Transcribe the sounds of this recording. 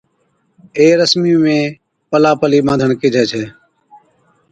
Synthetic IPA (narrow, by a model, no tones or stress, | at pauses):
eːɾəsmijũːmẽː | pəlaːpəliːmãːnd̪ʱənkɪːd͡ʒʱɛːt͡ʃʰeː